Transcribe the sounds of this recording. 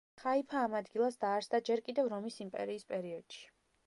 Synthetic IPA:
χaipʰaːmad̪ɡilˠasd̪aːɾsd̪ad͡ʒɛɾkʼid̪ɛvɾɔmisimpʼɛ̰ɾiːspʼɛɾiɔd̪̥ʃi̥

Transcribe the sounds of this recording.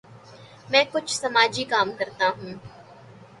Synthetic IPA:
mɛ̃ːkʊt͡ʃʰsɐmaːd͡ʒikaːmkɐɾt̪aɦũː

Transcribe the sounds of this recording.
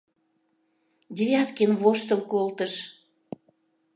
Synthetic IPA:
d̪ʲeβʲɑt̪kenβoʃt̪ə̆lkolt̪əʃ

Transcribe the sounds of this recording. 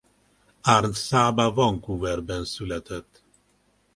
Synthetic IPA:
arnt̪saːbavɒŋkuːvɛrbɛnsylɛt̪ɛt̪ː

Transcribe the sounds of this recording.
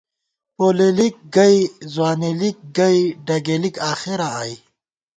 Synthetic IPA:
poːlelik̚ɡɐjzwaːnilik̚ɡɐjɖɐɡelikaːxeɾaaj

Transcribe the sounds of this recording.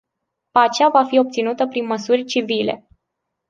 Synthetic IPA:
pat͡ʃavafio̞p̚t̪sinut̪əpɾinməsurʲt͡ʃivile̞̰

